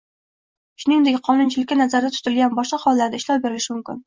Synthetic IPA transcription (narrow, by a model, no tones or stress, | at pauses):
ʃʊnɪŋd̪ekʲqʰɒnʊnt͡ʃʰɪlɪkʲːanazaɾd̪at̪ʰʊ̥t̪ɪlɡʲanbɒʃqɑχɒlˠːaɾd̪aɪʃlɒwbe̞ɾɪlɪʃɪmʊmkʲɪ̰n